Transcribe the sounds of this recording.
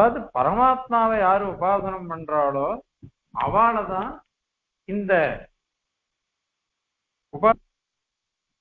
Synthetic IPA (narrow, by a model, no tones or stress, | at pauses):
aːɐðɯpɐɾɐmaːt̪maːʋɐjaːɾɯʊbaːsɐnɐmpɐɳɖraːɭoː | ɐ̰ʋaːnɐðãː | ɪnd̪ɐ | ʊbaː